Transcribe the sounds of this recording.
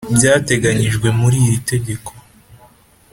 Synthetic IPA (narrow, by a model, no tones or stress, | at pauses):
bjaːte̞ɡaɲiʒɡwe̞muɾiːjite̞ɟe̞kʰo̞